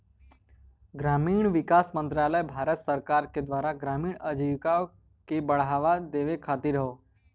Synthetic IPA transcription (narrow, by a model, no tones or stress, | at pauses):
ɡɾamiːɳ̃ʋikasmənt̪ɾaləjbʱaɾət̪səɾkaɾked̪ʋaɾaɡɾamiːɳəd͡ʒiʋka | kebəɭ̤ɦaʋad̪eʋekʰat̪iɾəɦo